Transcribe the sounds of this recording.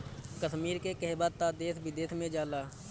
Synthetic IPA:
kəʃmiːɾkekɛɦbaːt̪aːd̪eːsbɪd̪eːsmẽd͡ʒaːlaː

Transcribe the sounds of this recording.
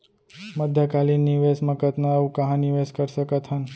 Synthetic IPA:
məd̪ʱjəkalinːiʋesməkət̪naũkəɦãniʋeskəɾʃəkət̪ɦən

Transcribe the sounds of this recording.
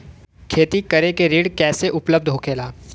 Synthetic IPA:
kʰeːt̪ikɐɾekeɾiːɽkɛːseʔʊpləb̚d̪ʱɦoːkʰeːlaː

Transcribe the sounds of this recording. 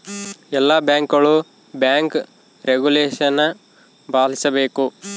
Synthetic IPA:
ɛlːabjaːŋkɐɭu | bjaːŋk | ɾeɡuleːʂɐnːɐ | baːlisɐbe̞ːku

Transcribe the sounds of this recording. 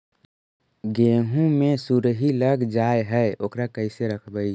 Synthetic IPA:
ɡeɦũmesuɾɦiləɡd͡ʒaeɦɛoːkɾakəɪseɾəkʰbəi

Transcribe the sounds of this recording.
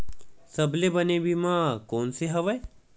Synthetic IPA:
sɐblebɐnebʱimãːkɔːnseɦɐʋəe

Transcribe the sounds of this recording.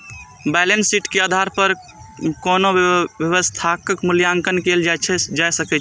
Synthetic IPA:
bɛlensiʈkeaːd̪ʱaɾpəɾ | konoʋjəʋəst̪ʰakəkmuljaŋkənkeld͡ʒajt͡ʃʰɛd͡ʒajsəkɛt͡ʃʰ

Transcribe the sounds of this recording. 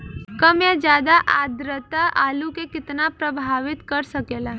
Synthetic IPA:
kɐmjad͡ʒjaːd̪aʔaːd̪ɾət̪aʔaːlukekɪt̪napɾɐbʱaːʋɪt̪kɐɾsɐkeːla

